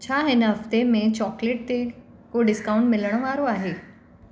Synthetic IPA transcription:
t͡ɕʰaɦɪnɦəft̪emẽt͡ɕɔːkleʈ̚t̪e | koɖɪskaũɳʈmɪlɽ̃əʋaɾoaːɦe

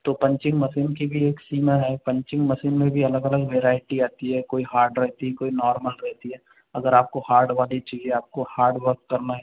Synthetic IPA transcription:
t̪oːpɐ̃ɲt͡ʃɪ̃ŋɡmɐsiːnkibʱieːksiːmaɦɛːpɐ̃ɲt͡ʃɪ̃ŋɡmɐsiːnmẽbʱiɐləɡɐləɡʋeːɾaːɪʈiaːt̪iɦɛkoːihaːɾɖɾɛɦt̪iɦɛkoːinɔːɾməlɾɛɦt̪iɦɛː | ɐɡəɾaːp̚kohaːɾɖʋaːlit͡ʃiːzẽaːp̚kohaːɾɖʋəɾkːɐɾnaɦɛ

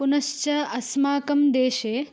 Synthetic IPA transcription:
punɐʃt͡ʃɐɐsmaːkɐmd̪eːʃeː

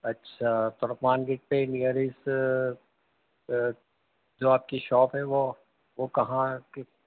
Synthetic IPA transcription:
ɐtːʃʰaːt̪ɔɾəpmaːnɡɪʈ̚penijəɾɪs | d͡ʒoːaːp̚kiʃɔːpɦɛʋo | ʋokɐɦãke

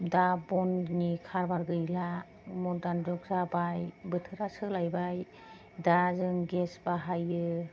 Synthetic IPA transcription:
dabɔnnikʰaɾbaɾɡɯjla | mɔdand͡ʒɔk̚zabajbɯtʰɯɾasɯlajbaj | dazɯŋɡesbaɦajɯ

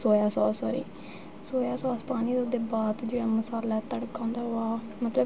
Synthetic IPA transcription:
soːjaːsaːsoːɾḭː | soːjaːsaːspaːniːd̪ʊd̪eːbaːd̪d͡ʒeːɽaːməsaːlːɛːt̪əɽkːãːnd̪aːaː | mət̪lə

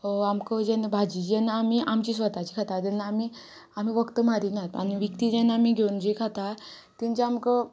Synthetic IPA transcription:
amkəd͡ʑɛnːabʱad͡ʑid͡ʑɛnːaamiʔamt͡ɕiːs̬ʋət̪at͡ɕiːkʰat̪at̪ɛnːaami | am̤iʋəkt̪əmaɾinat̪a̰niʋəkt̪id͡ʑɛnaamiɡʱeund͡ʑikʰat̪a | t̪iɲt͡ɕaamkə

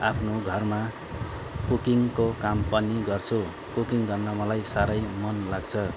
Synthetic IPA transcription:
apʰnoɡʱʌrma | kukiŋkokampʌniɡʌrt͡sʰu | kukiŋɡʌrmʌmʌlajsaɾʌjmʌnlaɡt͡sʰʌ

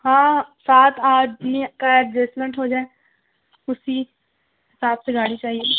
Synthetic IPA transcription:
ɦãːsaːt̪ʰaːdmẽkaɛʈ̚d͡ʒeːsmɛ̃ɳʈɦoːd͡ʒaːe | ʊsi | ɦɪsaːbseɡaːɽit͡ʃaːɦie

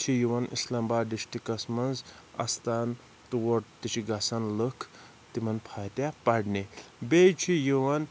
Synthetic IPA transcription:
t͡ʃʰijiʋɐnʔḭslɐmbaːɖiʃʈikɐsmɐnz | ɐ̰st̪aːn | t̪uwoʈt̪it͡ʃʰiɡɐsanləkʰ | t̪imɐnpʰaːt̪ʲapɐɽnibet͡ʃʰijiʋɐn

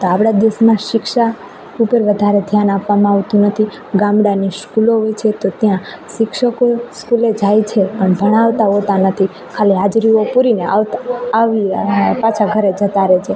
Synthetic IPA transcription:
t̪oapɽad̪esmãʃɪkʃa | upəɾʋəd̪ʱaɾed̪ʱjanapʋamãaʋt̪ũnət̪ʰi | ɡãmɽaniskuloɦojt͡ʃʰet̪ot̪jã | ʃɪkʃəkoskuled͡ʒajt͡ʃʰepəɳbʱəɽ̃aʋt̪aɦot̪anət̪ʰi | kʰaliɦad͡ʒɾiopuɾineaʋaʋipãt͡ʃʰaɡʱəɾed͡ʒət̪aɾet͡ʃʰe

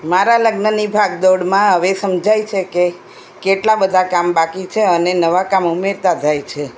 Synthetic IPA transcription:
maɾaləɡnənibʱaɡ̚d̪oɽmãɦəʋesəmd͡ʒajt͡ʃʰeke | keʈlabəd̪ʱakambakit͡ʃʰeənenəʋakamumeɾt̪ad͡ʒʱajt͡ʃʰe

